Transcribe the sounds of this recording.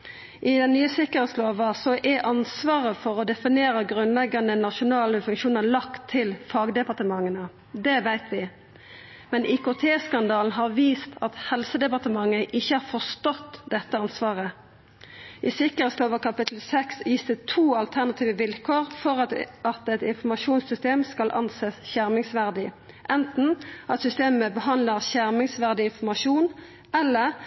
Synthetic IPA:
ʔɪd̪ɛnnyːəsɪkəʁhɛːt̪sloːʋəsɔʔɛʔɑnsʋɑːʁəfɔʁɔd̪ɛfɪneːɾəɡʁʉnlɛɡːɑnənɑʃʊnɑːləfʉŋkʃuːnəlɑkt̪ʰːɪlfɑːɡd̪ɛpɑʁt̪əmɑŋːənə | d̪ɛʋæɪt̪ʰʋɪ | mɛnʔɪkʊt̪ʰeːskɑnd̪ɑːln̩ɦɑʁʋiːst̪ʰɑt̪hɛlsəd̪ɛpɑt̪əmɑŋːəʔɪçːəhɑːɾfɔst̪ɔt̪ːd̪ɛt̪ːəɑnsʋɑːʁə | ʔɪsɪkəʁɛst̪oːʋəkʰɑpɪt̪ʰl̩sɛksjiːst̪ət̪ʰuːɑlt̪ʰæʁnɑt̪ʰiːʋəʋɪlkʰoːʁfɔʁɑt̪ɛt̪ɪnfɔmɑʃuːnsʏst̪eːmskɑlʔɑ̰nseːsçæʁmɪŋsʋæʁd̪ɪ | ʔɛnt̪n̩ʔɑt̪sʏst̪eːməbəɦɑnləʁçæʁmɪŋsʋæʁd̪ɪɪnfɔʁmɑʂuːn | ɛlːəʁ

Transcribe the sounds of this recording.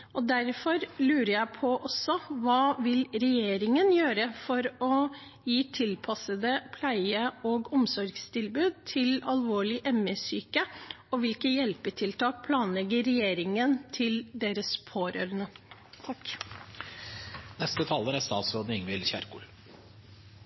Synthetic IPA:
ɔd̪æɾfɔɾlʉːɾəjæɪpʰɔʔɔsːɔʋɑːʋɪlɾɛjeːɾɪŋənjøːɾəfɔɾɔ | jiːt̪ʰɪlpʰɑsəd̪əpʰlæɪəoːɡɔmsɔɾɡst̪ʰɪlbʉːd̪̚t̪ʰɪlɑlʋoːɭɪʔɛməsyːkə | ɔʋɪlkəjɛlpəʈʰɪlt̪ʰɑːk̚pʰlɑːnlɛɡəɾɛjeːɾɪŋənt̪ʰɪld̪eːɾəspʰoːɾø̰ːɾənət̪ʰɑk | nɛst̪ət̪ʰɑːləɾæst̪ɑːt̪sɾoːd̪nɪŋʋɪlçæ̰ɾkṵːl

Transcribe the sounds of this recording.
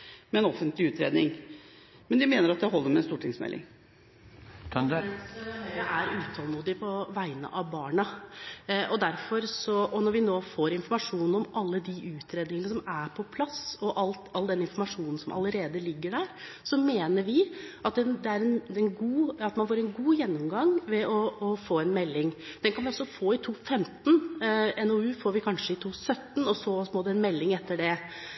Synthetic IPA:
mɛɛnɔfənt̪lɪʉːt̪ɾḛːd̪nɪŋ | mɛnd̪ɪmeːnəɾɑt̪̚d̪æɦɔlːəɾmɛnst̪uːʈʰɪŋsmɛ̰lːɪ̰ŋ | ææɾʉːt̪ʰɑːlˠmuːd̪ɪpʰɔʋæɪnə̰ʔɑʋbɑːɳɑ | ɔd̪æɾfɔɾsɔɔnɔɾʋɪnoːfoːɾɪnfɔɾmɑʂuːnn̩ɔmʔɑlːəd̪iʔʉːt̪ʰɾeːd̪nɪŋənəsɔmæɾpʰɔpʰlɑsɔʔɑlt̪ɑlːd̪ɛnɪnfɔɾmɑʂuːnn̩sɔmʔɑ̰ləɾeːd̪əlɪɡːəɖæɾ | sɔmeːnəɾʋɪʔɑt̪̚d̪ɛnd̪ɛæɾɛnɛnɡuːɑt̪mɑnfoːɾɛnɡuːjɛnːɔmɡɑŋʋɛʔɔɔfoːɛnmɛlːɪŋd̪̥ɛnkʰɑnʋɪɔsːɔfoːɪt̪ʰuːfɛmt̪n̩ɛnɔʉːfoːɾʋɪkʰɑnʂəɪt̪ʰuːsœt̪ːn̩ɔsɔmoːd̪ɛnmɛlːɪŋɛt̪ːəɖɛ

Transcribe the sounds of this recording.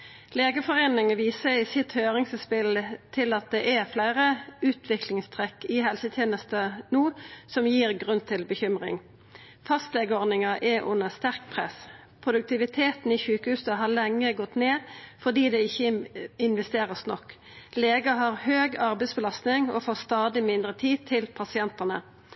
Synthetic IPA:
leːɡəfɔʁeːnɪŋəʋiːsəɪsɪt̪høːʁɪŋsəspɪlt̪ʰɪlɑt̪̚d̪ɛʔæflæɪʁəʉːt̪ʰʋɪklɪŋst̪ʰʁɛkːɪɦɛlsət̪ʰjeːnəst̪ənuːsɔmjiːʁɡʁʉnt̪ʰɪlbəçʏmʁɪ̰ŋ | fɑst̪lɛːɡəɔd̪nɪŋɑʔɛʔʊ̰nːəst̪æʁkpʰʁɛ̰s | pʰʁʊd̪ʉk̚t̪ʰɪʋɪt̪ʰeːt̪n̩ɪːçʉːkəhʉːsəɦɑlɛŋːəɡɔt̪neːfɔd̪iːd̪ɛɪçːəɪnʋɛst̪eːʁəsnɔkː | leːɡɑɦɑʁhøːɡɑʁbɛɪsbəlɑst̪nɪŋo̰foːst̪ɑːd̪ɪmɪnd̪ʁət̪ʰiːd̪̚t̪ʰɪlpʰɑsɪɛnt̪ənə

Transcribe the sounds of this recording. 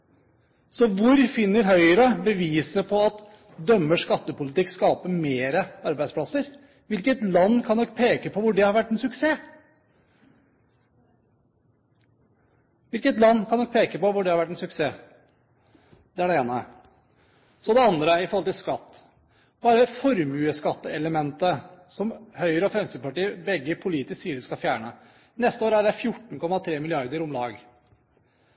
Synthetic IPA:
sɔʋʊɾfɪnːəɾɦœʏəɾəbəʋiːsəpʰɔɑt̪ | d̪œmːəʂkɑt̪ːəpʊlɪt̪ɪkːskɑːpəmeːɾəɑɾbæɪspʰlɑsəɾ | ʋɪlkət̪lɑnːkʰɑnːɔkːpʰeːkəpʰɔʋʊɖɛhɑɾʋæʈːɛnsʉkseː | ʋɪlkət̪lɑnːkʰɑnɔk̚pʰeːkəpɔʋʊɖɛhɑɾʋæʈːɛnsʉkseː | d̪̥ɛæɖɛeːnə | sɔd̪ɛɑnd̪ɾəɾɪfɔɾhɔlt̪ɪlskɑt̪ː | bɑːɾəfɔɾmʉːəskɑt̪ːəɛləmɛnt̪əsɔmhœʏɾəɔfɾɛmsəpɑʈiːəbɛɡːəpʰʊliːt̪ɪssiːəɾskɑfjæːɳə | nɛst̪əoːɾəæɖæɪfjʊʈːɳ̩kʰɔmːɑt̪ʰɾeːmɪlɪɑɾd̪əɾʊmlɑːɡ

